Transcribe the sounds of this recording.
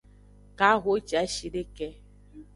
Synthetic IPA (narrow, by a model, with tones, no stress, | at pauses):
ka˨˦ɦo˨˦t͡ʃa˨˦ʃi˨de˦kɛ˦